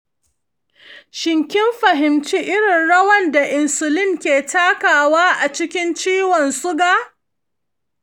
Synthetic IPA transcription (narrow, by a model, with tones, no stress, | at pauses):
ʃɪ˨ŋkʲɪ˦mɸɐ˨ɦɪ˨mt͡ʃiː˦ʔɪ˦ɽɪ˨nɽɐ˦wɐ˦nda˨ʔɪ˨nsʊ˨lɪ˦ŋkʲeː˨taː˦kaː˨waː˦ʔa˨t͡ʃɪ˦kʲɪ˦nt͡ʃiː˦wɔ˨nsʊ˦ɡaː˦